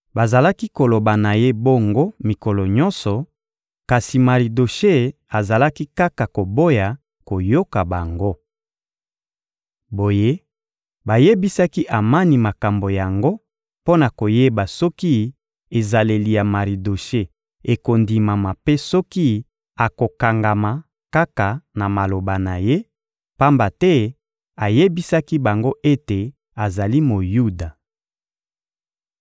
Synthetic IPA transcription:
ba˨za˨la˦ki˦ko˨lo˨ba˨na˨je˦bo˦ŋɡo˦mi˨kɔ˨lɔ˨ɲɔ˦nsɔ˨ | ka˨si˨ma˨ʁi˨do˨ʃe˦ | a˨za˨la˦ki˦ka˦ka˨ko˨bo˦ja˨ | ko˨jo˦ka˨ba˨ŋɡo˦ | bo˨je˦ | ba˨je˦bi˦sa˦ki˦ʔa˨ma˦ni˨ma˨ka˨mbo˨ja˨ŋɡo˦ | po˦na˨ko˨je˦ba˨sɔ˦ki˦ | e˨za˨le˨li˨ja˨ma˨ʁi˨do˨ʃe˦ | e˨ko˨ndi˨ma˨ma˨pe˦sɔ˦ki˦ | a˨ko˨ka˨ŋɡa˨ma˨ | ka˦ka˨na˨ma˨lo˨ba˨na˨je˦ | pa˦mba˨tɛ˦ | a˨je˦bi˦sa˦ki˦ba˨ŋɡo˦ʔe˦te˨ | a˨za˨li˦mo˨ju˦da˨

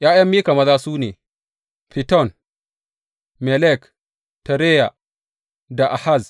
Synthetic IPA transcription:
jaː˦jɐ˦mːiː˦ka˨mɐ˦zaː˦suː˦nḛː˨ | pi˨tɔ˦˨n | mɛ˨lɛ˦˨k | ta˨ɾe˦ja˨ | da˨ʔa˨ha˦˨z

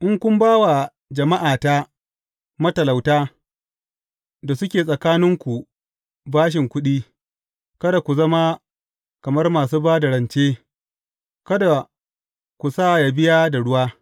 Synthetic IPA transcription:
ʔɪ˦ŋkʷʊ˦mbaː˦wa˨ | d͡ʒɐ˨ma˦ʔaː˨ta˦ | mɐ˦tɐ˨la˨wtaː˦ | da˨sʊ˦kʲeː˨sʼɐ˨kaː˦nɪ˦ŋkʷu˨ | baː˦ʃ̬ɪ˨ŋkʷʊ˦ɗiː˦ | kɐ˦da˨kʷu˨zɐ˦ma˦ | kɐ˨mɐ˦rmaː˨suː˦baː˦dɐ˨ɽɐ˨nt͡ʃeː˦ | kɐ˦da˨ | kʷu˨saː˦˨ja˨bɪ˦jaː˦da˨ɽʊ˦waː˦

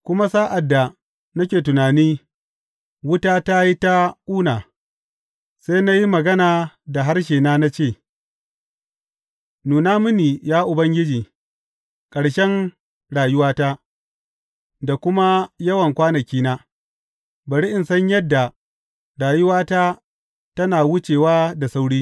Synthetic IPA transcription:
kʷʊ˦ma˦saː˦ʔa˨dːa˨ | nɐ˦kʲeː˨tʊ˨naː˨niː˦ | wʊ˦taː˦ta˦ji˦ta˦ʔuː˦naː˨ | seː˦na˦ji˦mɐ˨ɡɐ˦naː˨da˨ɦa˦rʃ̬eː˨naː˦na˦t͡ʃeː˦˨ | nuː˨naː˦mʊ˦niː˨jaː˦ʔʊ˨bɐ˦ŋɡʲɪ˦d͡ʒiː˨ | kʼɐ˨ɽʃɛ˦ŋ | ɽaː˨jʊ˦waː˦ta˦ | da˨kʷʊ˦ma˦jɐ˦wɐ˨ŋkʷaː˦nɐ˨kʲiː˦naː˦ | bɐ˨ɽi˦ʔɪ˨nsɐ˦ɲjɐ˦dːa˨ | ɽaː˨jʊ˦waː˦taː˦ | tɐ˦naː˨wʊ˦t͡ʃeː˨waː˦da˨sa˦wɽiː˦

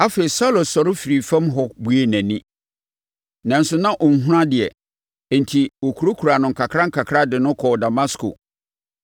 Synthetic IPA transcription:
a˦fe˨i˨sa˦lo˨sɔ˨ɾʊ˦fi˨ɾi˨fã˦mɦɔ˨bu˦e˦næ̃˨nĩ˦ | nã˨n̩˦sʊ˦nã˦ʔɔ˨n̩˨ɦʊ̃˦ã˦dɪ˨ɛ˨ | ɛ˨n̩˨tʰi˨wo˨kʰu˨ɾo˦kʰu˨ɾa˨nʊ̃˨ŋ̩˨kʰa˨kʰɾã˦ŋ̩˦kʰa˨kʰɾa˦dɪ˨nʊ̃˦kʰɔ˨da˨ma˦skʰo̰˨

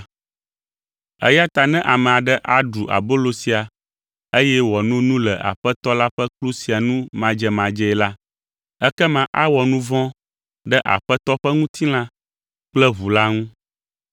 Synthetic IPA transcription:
ɛ̰˦ja˦t̪a˨nɛ̃˦ʔa˨mɛ̃˨a˨ɖɛ˦ʔa˨ɖu˨ʔa̰˨bo˦lo˨si˨a˨ | e˦jɛ˦wɔ˨nũ˦nũ˦lɛ˨ʔa̰˨ɸɛ˦t̪ɔ˦la˦ɸɛ˦klu˦si˨a˨nũ˦mã˨d͡ʒɛ˨mã˨d͡ʒɛ˦ɛ˨la˦ | ɛ˦kɛ˦mã˨ʔa˦wɔ˨nũ˦vɔ̃˦ | ɖɛ˦ʔa̰˨ɸɛ˦t̪ɔ˦ɸɛ˦ŋũ˦t̪ʰi˦l̃ã˦ | k͡plɛ˦βu˨la˦ŋũ˦

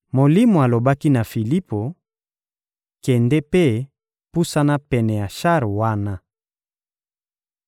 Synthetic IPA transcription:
mo˨li˦mo˨a˨lo˨ba˦ki˦na˨fi˨li˦po˨ | kɛ˨ndɛ˦pe˦ | pu˦sa˦na˦pɛ˨nɛ˨ja˨ʃa˦ʁwa˦na˦

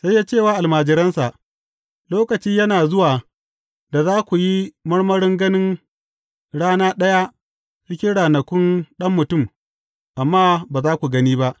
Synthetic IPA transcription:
sa˦jːaː˦t͡ʃeː˦˨waː˦ʔa˨lmaː˨d͡ʒɪ˨ɾɐ˦nsa˨ʔ | loː˦kɐ˨t͡ʃiː˦jɐ˦naː˨zʊ˦waː˨ | da˨zaː˦kʷu˨ji˦mɐ˦ɽmɐ˦ɽɪ˦ŋɡɐ˦nɪ˦ŋ | ɽaː˦naː˦ɗɐ˦ja˦ | t͡ʃɪ˦kʲɪ˦ɽaː˨nɐ˨kʷʊ˦nɗɐ˦mːʊ˨tʊ˦˨m | ʔa˨mːaː˦baː˨zaː˦kʷu˨ɡɐ˦niː˦ba˦ʔ

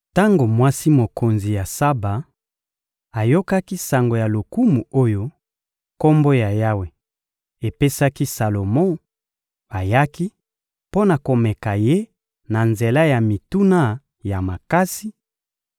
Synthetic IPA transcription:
ta˦ŋɡo˨mwa˦si˦mo˨ko˨nzi˨ja˨sa˦ba˨ | a˨jo˦ka˦ki˦sa˨ŋɡo˨ja˨lo˨ku˦mu˨o˦jo˦ | ko˦mbo˦ja˨ja˦we˨ | e˨pe˦sa˦ki˦sa˨lo˨mɔ̃˦ | a˨ja˦ki˦ | po˦na˨ko˨mɛ˨ka˨je˦ | na˨nze˨la˦ja˨mi˨tu˦na˦ | ja˨ma˨ka˦si˦

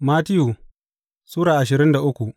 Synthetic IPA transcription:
maː˦tɪ˦ju˨ | suː˦ɽaː˨ʔa˨ʃ̬ɪ˨ɾɪ˦nda˨ʔʊ˦kʷu˨ʔ

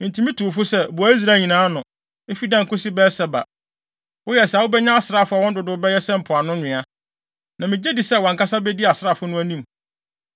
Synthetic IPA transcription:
mɪ̃˨n˨tʰi˨mĩ˦tʰu˨fʊ˦sɛ˦˨bu˨a˨˦i˦s̬ɾaː˨˦˨ɲĩ˨nãː˨˦nʊ̃˨ | e˦fi˦dã˦˨ŋ˨kʰʊ˦si˦bɛ˦sɛ˨ba̰˨ | wʊ˦jɛ˨sɛ˦a˨wʊ˦bɛ˦ɲã˦a˦sɪ˨ɾa˦˨fʊ˦a˨wɔ̃˦n˦dʊ˨dʊ˦bɛ˦jɛ˦sɛ̃˦m̩˨pʰʊ˨a˨nʊ̃˦ɲɪ̃˨a˦ | nã˨mɪ̃˨d͡ʑɛ˦di˨sɛ˦wɔ̃˨ŋka˦sa˦bɛ˦di˦a˨sa˦˨fʊ˦nʊ̃˦æ˦nĩ˦m

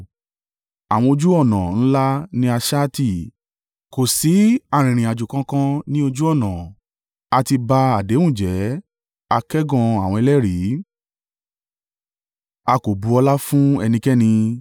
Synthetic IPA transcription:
a˨w̃ɔ̃˧o˧d͡ʒu˦ɔ˦˨nã˨ñ̩˦la˦nĩ˦a˧ʃa˦ti˦˨ | ko˨si˨˦a˦˧˨ɾ̃ĩ˨ɾ̃ĩ˨a˨d͡ʒu˨kã˧kã˦nĩ˦o˧d͡ʒu˦ɔ˦˨nã˨ | a˧ti˧ba˧a˨de˨˦wũ˦˨d͡ʒɛ˨˦ | a˧kɛ˦ɡɔ̃˧a˨w̃ɔ̃˧i˧lɛ˦ɾi˨˦ | a˧ko˨bu˨˧˦ɔ˧la˦fũ˦ɛ˧nĩ˧kɛ˦nĩ˧

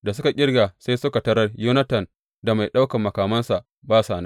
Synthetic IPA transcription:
da˨s̬ʊ˦ka˨kʲʼɪ˦rɡaː˨sa˦jsʊ˦ka˨tɐ˦ɾɐ˦rjuː˦nɐ˦tɐ˨n | da˨ma˨jɗa˦wkɐ˨mːɐ˨kaː˨mɐ˦nsa˨ʔ | baː˦saː˨na˦

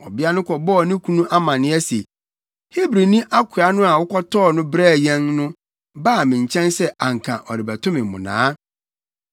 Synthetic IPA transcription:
ɔ̰˨bɪ˦a˦nʊ̃˦kʰɔ˨bɔ˦˨nɪ̃˦kʰũ˦nũ˦ʔa˦mã˨nɪ̃˦ɛ˦se˨ | he˦bɾi˨nĩ˦ʔa˦kʰʊ˨a˦nʊ̃˦a˨wʊ˦kʰɔ˦tʰɔː˦˨nʊ̃˦bɾæː˦˨jɛ̃˦nnʊ̃˦ | baː˦˨mɪ̃˨ɲ̩˨t͡ɕʰɛ̃˦nsɛ˦a˨ŋ˨kʰã˨ʔɔ˨ɾɪ˨bæ˨tʰʊ̃˦mɪ̃˨m˨mʊ̰̃˨nã̰ː˦

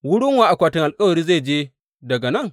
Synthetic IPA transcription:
wʊ˦ɽʊ˦ŋwaː˨ʔa˨kʷaː˨tɪ˨ŋʔa˨lkʼɐ˦wɐ˨ɾiː˦zeː˦˨d͡ʒeː˦ | dɐ˨ɡa˨nɐ˦˨ŋ

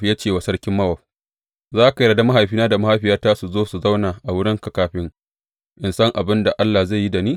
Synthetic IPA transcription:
ja˦t͡ʃeː˨wa˨sɐ˦ɽkʲɪ˦mːɐ˦wɐ˨ɸ | zaː˦ka˨ja˨da˦ma˦ɦa˨jɸiː˦naː˦da˨ma˦ha˨˦ɸɪ˨˦jaː˦taː˦su˨zoː˦su˨za˦wnaː˨ʔa˨wʊ˦ɽɪ˦ŋkɐ˦kaː˨ɸɪ˦ŋ | ʔɪ˨nsɐ˦ŋʔa˨bɪ˦nda˨ʔa˦lːaː˨za˦˨ji˦da˨niː˦

